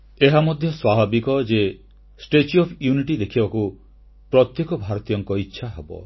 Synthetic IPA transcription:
eɦamɔd̪ʱjɔswabʱabikɔd͡ʒe | sʈet͡ʃɔpʰjuniʈid̪ekʰibaku | pɾɔt̪jekɔbʱaɾɔt̪ijɔŋkɔitːʃʰaɦebɔ̰

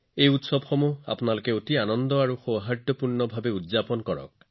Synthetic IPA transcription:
ejut̪sɔbxɔmua̰pɔnalokeot̪ianɔnd̪ɔaɹuxowɦad̪ɔpuɹnɔbʱabeudzapɔnɔkɔɹɔ̰k̚

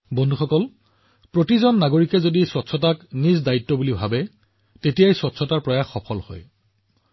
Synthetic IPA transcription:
bɔndʱuxɔkɔl | pɹotizɔnːaɡoɹikɛzodiswɔtsʰɔtaknizdaitːɔbulibʱabɛ | tetijajsɔtsʰɔtaɹpɹɔjaxːɔpʰɔlhɔ̰j

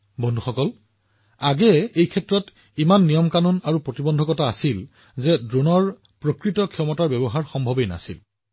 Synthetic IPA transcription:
bɔndʱuxɔkɔl | aɡɛejkʰɛtɹɔt | imanːijɔmkanunaɹupɹotibɔndʱɔkɔtaːsil | zɛdɹonɔɹ | pɹokɹitɔkʰiɔmɔtaɹbɛbɔɦaɹxɔmbʱɔbejna̰sḭl

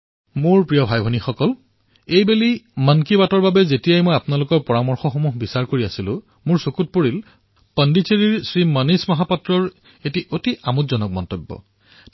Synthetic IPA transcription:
mʊɹpɹijɔbʱajbʱɔnixɔkɔl | ejbelimankibatɔɹbabɛzetijajmojapnalʊkɔɹpɔɹamɔɹxɔxomuɦbisaɹkoɹiasilʊ̃ | mʊɹsokut̚poɹil | pəndit͡ʃeɹiɹsɹimanismɔɦapɔtɹɔɹ | etiʔotiʔamutzɔnɔk̚mɔntebːɔ̰

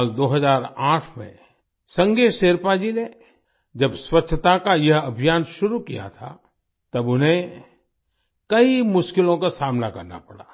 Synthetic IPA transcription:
ld̪oːɦɐzaːɾaːʈʰmḛ̃ | sɐ̃ŋɡeseːɾpad͡ʒine | d͡ʒɐbswɐtːʃʰət̪akajɐɦɐbʱijaːnʃʊɾukija̰t̪ʰa̰ | t̪ɐbʊnɦẽ | kɐimʊʃkɪlõkasaːmnakɐɾna̰pɐɽa̰ː

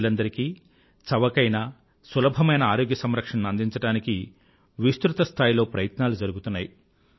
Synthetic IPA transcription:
lɐnd̪ɐɾiki | t͡ʃɐʋɐkɐjnɐ | sɐlɐbʱɐmɐjnɐaːɾo̞ːɡjɐsɐmɾɐkʂɐɳnuɐnd̪iɲt͡ʃɐɽaːniki | ʋist̪ɾut̪ɐst̪ʰaːjilo̞ːpɾɐjɐt̪naːlud͡ʒɐɾuɡut̪unːaːji

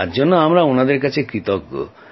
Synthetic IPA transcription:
ad͡ʒɔnːɔamɾaunad̪eɾkat͡ʃʰekɾit̪ɔk

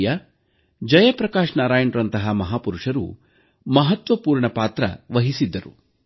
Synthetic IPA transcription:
jɐ | d͡ʒɐjɐpɾɐkaːʂɳaːɾaːjɐɳʈɾɐnt̪ɐɦɐmɐɦaːpuɾuʂɐɾṵ | mɐɦɐt̪ʋɐpuːɾɳɐpaːt̪ɾɐ̰ʋɐɦisid̪ːɐɾṵ

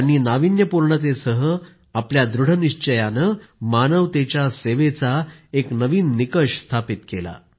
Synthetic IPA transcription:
ɽ̃iːnaʋinjəpuɾɳət̪esəɦə | apljad̪ɾuɽ̤əniɕt͡ɕəjanəmanəʋt̪et͡ɕjaseʋet͡saeknəʋiːnːikəʂst̪ʰapit̪kela̰

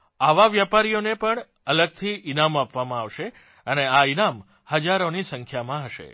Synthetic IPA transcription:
aʋaʋjapaɾijonepəɳ | ələɡ̚t̪ʰiinamapʋamãaʋʃe | əneainam | həd͡ʒaɾonisəŋkʰjamãɦəʃḛ

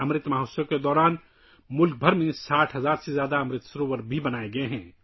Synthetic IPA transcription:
ɐmɾɪt̪maːɦoːsõked̪ɔːɾaːn | mʊlk̚bʱɐɾmẽsaːʈʰɦɐzaːɾsezjaːd̪aɐmɾɪt̪sɐɾoːʋəɾbʱibɐnaːeɡɐeɦɛ̰̃ː

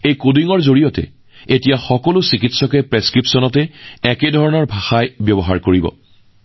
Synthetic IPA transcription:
ejkodiŋɔɹzoɹijɔtɛ̰ | etijaxɔkɔlʊsikitsɔkɛpɹeskɹipsɔnɔtɛɛkɛdʱɔɹɔnɔɹbʱaxajbjɔbɔɦaɹkoɹibɔ̰

